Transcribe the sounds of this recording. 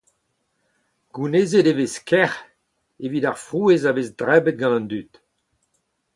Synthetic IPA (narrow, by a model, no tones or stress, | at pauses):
ɡ̥unezedeveskʰɛʁ | evidaʁfʁuezavezdʁɛbət̪̚ɡɑ̃nɑ̃nd̪yt̪